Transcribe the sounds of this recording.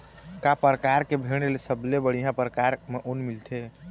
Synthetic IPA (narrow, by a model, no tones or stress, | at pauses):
kapəɾəkaɾkebʱeɽ̃elsəblebəɽ̤ijɦãpəɾkaɾmeʔonmilt̪ʰe